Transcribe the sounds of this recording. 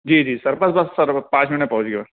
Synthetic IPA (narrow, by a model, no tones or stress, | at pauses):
d͡ʒiːd͡ʒiːsɐɾbɐsbɐsːɐɾpãːt͡ʃʰmɪũnẽpɐɦʊ̃t͡ʃɡeɐ